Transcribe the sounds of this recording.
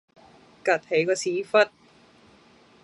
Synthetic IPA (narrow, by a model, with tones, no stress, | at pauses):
kɐ˨t̚he˨˥jkɔː˧siː˨˥fɐ˥t̚